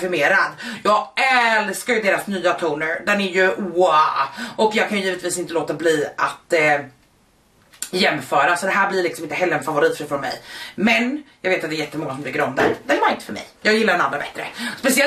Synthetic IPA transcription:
fɪɾmeːɾad̪jɑːɡɛlskajɵd̪eːɾasnyːat̪ʰuːnəɾd̪ɛnæɾjɵuːaɔkjɑːɡkʰanjʏjiːvət̪viːsɪnt̪əloːt̪abliːʔat̪ | jɛmːfœːɾasɔd̪ɛɦæːɾblɪɾlɪksɔmɪnt̪əɦɛlːəɾɛnfavʊɾiːt̪fɾiːfɾɔnmɛ̰jmɛnjɑːɡveːt̪at̪d̪ɛːjɛt̪ːəmɔŋːasɔmlɪɾɡɾɔmd̪æ̰d̪d̪ɛnvaɾɪnt̪ə̥fœɾmɛ̰jjɑːɡjɪlːaɾɛnand̪ɾabɛ̰t̪ːɾə̰spɛsɪɛ

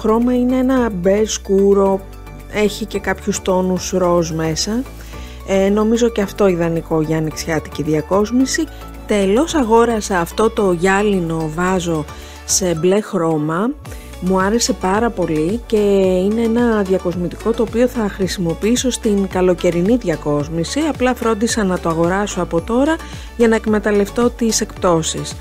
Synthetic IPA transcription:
oxɾo̞mɐine̞enɐbe̞ɾskuɾo̞ | e̞çice̞kɐpçust̪o̞nusɾo̞zme̞sɐ | no̞mizo̞ceɐft̪o̞iðɐniko̞ʝɐːniksçɐt̪i̥ciðiɐko̞zmisi | t̪e̞lo̞sɐɣo̞ɾɐseɐft̪o̞t̪o̞ʝɐlino̞vɐzo̞ | se̞ble̞xɾo̞mɐ | muɐɾe̞se̞pɐɾɐpo̞lice̞ine̞enɐðʝɐko̞zmit̪iko̞t̪o̞ːpio̞θɐxɾisimo̞piiso̞st̪iŋkɐlo̞ce̞ɾiniðʝɐko̞zmisiɐplɐfɾo̞nd̪isɐnɐt̪oɐɣo̞ɾɐso̞ɐpo̞t̪o̞ɾɐ | ʝɐnɐekme̞t̪ɐle̞ft̪o̞t̪ise̞kpt̪o̞sis

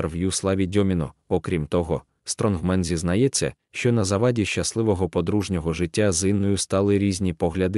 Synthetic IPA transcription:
rʋjuslˠɑʋʲidʲɔmʲinɔɔkɾʲimt̪ɔɦɔ | st̪ɾɔnɦmɛnzʲiznɐjɛt͡sʲːɐ̰ | ʃt͡ʃɔnɐzɐʋɑdʲiʃt͡ʃɐslˠɪʋɔɦɔpɔd̪ɾuʒnʲɔɦɔʒɪtʲːazɪnːɔjʊst̪ɑlˠɪɾʲizʲnʲipɔɦlʲɐd̪ɪ

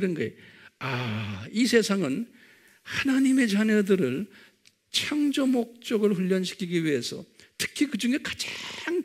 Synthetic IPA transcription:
ɾʌnɡʌeaisʰe̞sʰaŋɯn | hanaɲime̞t͡ɕaɲʌdɯɾɯɭ | t͡ɕʰʌŋd͡ʑomok̚t͡ɕ͈ʌɡɯɭɸuʎːʌnɕʰi̥kʰiɡiɥiɦe̞sʰʌ̰tʰɯ̥kʰikɯd͡ʑuŋe̞kḁd͡ʑaaŋ

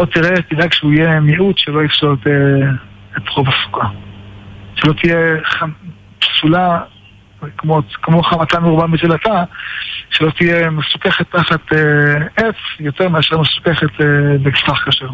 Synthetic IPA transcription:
ot̪iʁetidakʃeuijemiʔut̪ʃelo̞ifʃot̪e | et̪ʁovasu̥ka | ʃelo̞t̪ijeχa | psula | kmokmoχamat̪amiʁbamisulat̪a | ʃelo̞t̪ijemesu̥keχet̪ːaχat̪eet͡sjot̪eʁmiaʃaʁmesu̥keχet̪ebeksaχkaʃeʁ

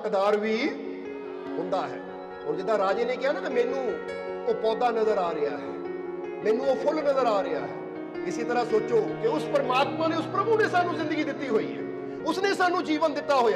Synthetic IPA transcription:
kd̪aːɾʋiː | ɦʊ̃nd̪aːɦɛ̰ː | ɦoːɾd͡ʒɪd̪aːɾaːd͡ʒeːneːkɪjaːnaːmɛ̃ːnũːoːpɔːd̪aːnəzəɾaːɾɪjaːɦɛ̰ː | mɛ̃ːnũːoːpʰʊlnəzəɾaːɾɪja̰ːɦɛː | ɪsiːt̪əɾaːsoːt͡ʃoːkɪʊspəɾəmaːt̪mãːneːʊspɾəbuːneːsaːnːũːzɪ̃nd̪əɡiːd̪ɪt̪ːiːɦoːḭːɦɛ̰ː | ʊsneːsaːnːũːd͡ʒiːʋənd̪ɪt̪ːaːɦoːjaː

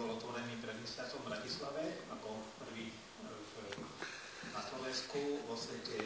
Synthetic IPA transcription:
bɔlɔt̪ʋɔɾɛniːpɾɛd̪mɛslaɾt͡sɔmbɾacislaʋɛakɔpr̩ʋiː | naslɔʋɛnskuʋɔsʋɛcɛ

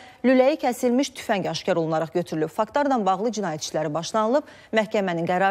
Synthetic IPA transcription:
lylæjicʰæsilmiʃt̪ʰy̥fæɲɟɑʃcɑɾolˠunɑɾɑχɟø̞t̪ʰyɾylyb̥fɑkt̪lɑɾd̪ɑnbɑʁlˠɯd͡ʒinɑːjæt̪ʰt͡ʃʰlæɾibɑʃlˠɑnɯlˠɯb̥ | mæhcæmæninɡæɾɑ

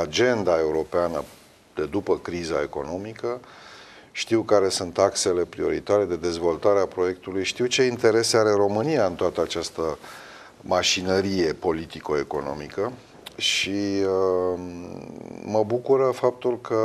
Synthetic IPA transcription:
ad͡ʒe̞nd̪ae̞uɾo̞peanə | d̪e̞d̪upəkɾizae̞ko̞̰no̞mikə | ʃt̪iwkaɾe̞sunt̪akse̞le̞pɾio̞ɾḭt̪aɾe̞d̪e̞d̪e̞zvo̞lt̪aɾeapɾo̞je̞kt̪ulujʃt̪iwt͡ʃe̞int̪e̞ɾe̞se̞aɾe̞ɾo̞mɨniaɨnt̪oat̪əat͡ʃast̪ə | maʃinəɾije̞po̞lit̪iko̞e̞ko̞̰no̞̰mikə | ʃiə | məbukuɾəfap̚t̪ulkə

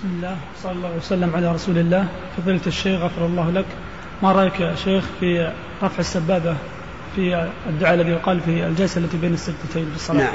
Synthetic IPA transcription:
bɪsmɪlːaːhwɑsˤɑllˤːɑwasalːamʕalaɾˤɑsuːlɪlːaːh | fɑðˤiːlt̪ɪʃːeːxɣafɑɾˤɑlˤːɑːhlak | maɾˤɑːjkʃeːxfi | ɾˤɑfʕɪsːabːaːba | fiɪd̪ːʊʕaːalːaðijʊqɑːlfiɪld͡ʒalsaʔlːat̪ibeːnɪsːad͡ʒt̪at̪ajnbɨsˤːɑlɑː

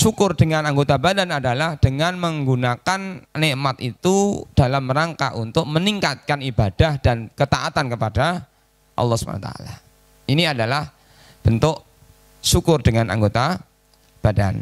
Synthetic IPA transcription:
sukʊrdəŋanaŋɡot̪abadanadalahd̥əŋanməŋɡunakannɪʔmat̪̚it̪ud̥alaməɾaŋka̰ʔṵnt̪ʊk̚məniŋkat̪̚kanibad̥ahd̥ankət̪aʔat̪ankəpada | ʔɑ̰lːɑhsu̥banat̪a̰a̰la | iniadalah | b̥ənt̪ʊʔ | sukʊrdəŋanʔa̰ŋɡot̪a | b̥ada̰n

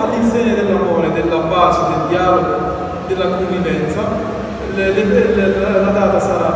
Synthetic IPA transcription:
alːinsɛɲːad̪ɪlːamɔːɾɪd̪ɪlːabːaːsɪd̪ɪld̪ijaːloɡʊ | d̪ɪlːakoɱvivɛnt̪sa | llllad̪aːt̪asaɾa

